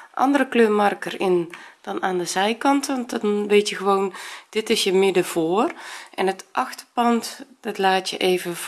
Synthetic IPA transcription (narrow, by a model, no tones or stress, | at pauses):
ʔɑ̰ndərəkløːmɑrkərɪnd̥ɔnaːndəzɛjkɑntɔndɔnʋeːtjəɣəʋoːnd̥ɪtɪsjəmɪdəv̥oːərʔɛnətʔɑxtəpɑntdɔtlaːtjə̰ʔeːvə